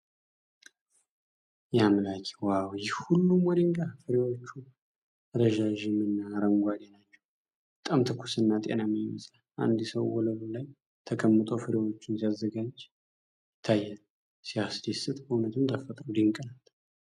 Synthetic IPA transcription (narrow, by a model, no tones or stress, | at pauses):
jamlakʼe̥wawjɪhhulːumwɔd̪ɨŋkʼafɨɾewot͡ʃːu | ɾəʒaʒɪmɨnːaɾəŋɡʷad̪enat͡ʃːɛ̥w | b̥ət̪ʼamt̪ʰɨkʰːu̥sɨnːat̪ʼḛnaməməsʼalʔa̰nd̪səwwɔləlulaj | t̪ʰəkʰəmːɨt̪ʼofɨɾewo̞t͡ʃːɪnsiazːəɡad͡ʒ | jɪt̪ʰːajːɛl | siasd̪esɨt̪ʼəunət̪ʰɨmt̪ʰəfət̪ʼɾud̪ɨŋkʼənal